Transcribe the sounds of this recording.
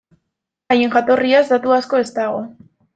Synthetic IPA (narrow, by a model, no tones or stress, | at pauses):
aje̞ŋʝat̪o̞riazd̪at̪uasko̞e̞st̪aɣo̞